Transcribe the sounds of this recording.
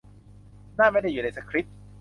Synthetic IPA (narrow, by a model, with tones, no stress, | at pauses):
naː˥˩ma˥˩jda˥juː˨˩a˧jsa˧˩kʰɾi˦˥t̪̚